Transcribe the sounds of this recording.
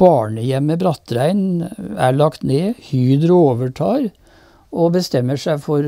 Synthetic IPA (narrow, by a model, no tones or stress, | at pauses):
ɑːɳəjɛmːəbɾɑt̪ɾæɪnæ̰ɭɑkt̪neːhyːd̪ɾəoːʋəʈʰɑːɾ | obəst̪ɛmːəʂæɪfɔɾ